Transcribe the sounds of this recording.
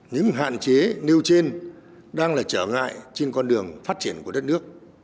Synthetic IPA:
ɲɨ̰˧˥ŋɦa̰ː˧˨nt͡ɕe˨˦ni˧əwt͡ɕe˧n | ɗaː˧ŋlaː˨˩t͡ɕəː˧˩ŋa̰ː˧˨jt͡ɕe˧nkɔ˧nɗɨ˨˩əŋfaː˦˥t̚t͡ɕi˧˩ənku˧˩əɗə˦˥t̚nɨ˦˥ək̚

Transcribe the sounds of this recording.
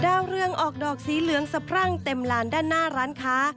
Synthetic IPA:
daː˧wɾɯ˧əŋʔɔː˨˩k̚dɔː˨˩k̚siː˨˩˦lɯ˨˩˦əŋsa˧pʰɾa˥˩ŋt̪e˨˩mlaː˨˥ndaː˥˩nːaː˥˩ɾaː˦˥nkʰaː˦˥

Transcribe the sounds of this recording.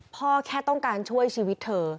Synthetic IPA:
pʰɔː˥˩kʰɛː˥˩t̪ɔ˥˩ŋkaː˧nt͡ɕʰu˥˩əjt͡ɕʰiː˧wi˦˥t̪ʰːɤː˧

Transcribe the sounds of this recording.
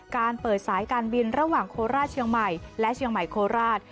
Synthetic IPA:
kaː˧npɤː˨˩t̪̚saː˩˦jkaː˧nbi˧nɾa˦˥waː˨˩ŋkʰoː˧ɾaː˥˩t̪̚t͡ɕʰi˧əŋma˨˩jlɛ˦˥ʔt͡ɕʰi˧əŋma˨˩jkʰoː˧ɾaː˥˩t̪̚

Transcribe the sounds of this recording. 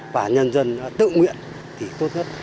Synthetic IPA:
vaː˨˩ɲə˧nzə˧n˧t̪ɨ̰˧˨ŋwḭ˧˨ən | t̪ʰi˨˩t̪o˦˥t̚ɲə˦˥t̚

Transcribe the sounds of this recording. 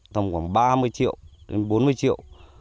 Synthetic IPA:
t̪ə˧˩ŋ͡mkʷwaː˧˩˨ŋɓaː˧mɨ˧əjt͡ɕḭ˧˨ə˨wɗḛ˨˦nɓo˨˦nmɨ˧əjt͡ɕḭ˧˨ə˨w

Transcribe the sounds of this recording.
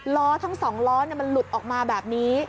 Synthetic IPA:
lɔː˦˥t̪ʰa˦˥ŋsɔː˩˦ŋlɔː˦˥ni˥˩ɐma˧nlu˨˩t̪̚ʔɔː˨˩k̚maː˧bɛː˨˩p̚niː˦˥

